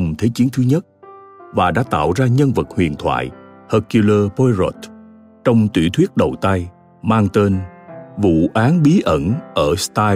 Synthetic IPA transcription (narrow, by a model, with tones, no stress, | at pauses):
ŋ͡mt̪ʰe˨˦t͡ɕi˨˦ənt̪ʰɨ˨˦ɲə˦˥t̚ | vaː˨˩ɗa̰ː˧˥t̪a̰ː˧˨wzaː˧ɲə˧nvə˨˩t̚hwḭ˧˨ənt̪ʰwa̰ː˧˨jhəː˧ku˧ləː˧po˧jzo˨˦˩t̪̚ | t͡ɕɔ˧wŋ͡mt̪wḭ˧˩˥t̪ʰwi˦˥ət̚ɗə̰˧˩˨t̪a˧j | maː˧ŋt̪e˧nvṵ˧˨ʔaː˨˦nɓi˨˦ʔə˧˩nʔəː˧˩st̪aː˧